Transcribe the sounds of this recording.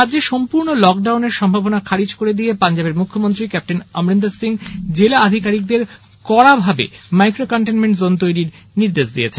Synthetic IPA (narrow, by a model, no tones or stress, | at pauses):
adːd͡ʑeʃɔmpuɾnolɔk̚ɖawneɾʃɔmbʱabonakʰaɾid͡ʑkoɾed̪ijepand͡ʑabeɾmukʰːomont̪ɾikɛp̚ʈenamɾend̪asiŋd͡ʑelaad̪ʱikaɾik̚d̪eɾ | kɔɾabʱabḛmajkɾokɔɳʈenmeɳʈzont̪ojɾiɾ | niɾd̪eʃd̪ijet͡ɕʰenn